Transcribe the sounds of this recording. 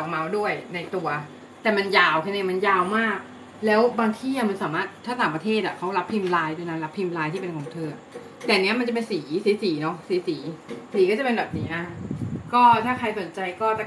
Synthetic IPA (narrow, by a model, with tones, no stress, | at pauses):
ma˧˥wdu˥˩əjna˧jt̪u˧ɐ | t̪ɛː˨˩ma˧njaː˧wkʰa˧ne˧˩ma˧njaː˧wmaː˥˩k̚ | lɛː˦˥wbaː˧ŋt̪ʰiː˥˩a˨˩ma˧nsaː˩˦maː˥˩t̪ʰːaː˥˩t̪aː˩˦pɾa˧t̪ʰeː˥˩t̪̚a˨˩kʰa˦˥wɾa˦˥pʰːi˧mlaː˧˥jde˧na˧˥nla˦˥pʰi˧mlaː˧˥jt̪ʰiː˥˩pe˧nkʰɔː˩˦ŋt̪ʰɤː˧a˨˩ | t̪ɛː˨˩ni˦˥ɐma˧nt͡ɕa˨˩pe˧nsiː˩˦siː˨˩˦siː˩˦nɔ˦˥ksiː˩˦siː˩˦siː˨˩˦kɔː˥˩t͡ɕa˨˩pe˧nbɛː˨˩p̚niː˦˥ʔa˧˩kɔː˥˩t̪ʰaː˥˩kʰa˧jso˨˩˦nt͡ɕa˧jkɔː˥˩ta˨˩